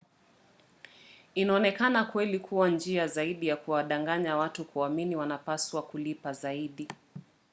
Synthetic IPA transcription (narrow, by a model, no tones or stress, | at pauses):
inaɔnɛkanakwɛlikʰuwand͡ʒiazaiɗijakuwaɗaŋɡaɲawatukuaminiwanapaswakulipazaiɗi